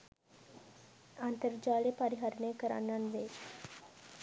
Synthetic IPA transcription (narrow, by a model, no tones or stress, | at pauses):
ant̪əɾd͡ʒaːɭepaɾiɦaɾənəjkəɾa̰nːanʋeː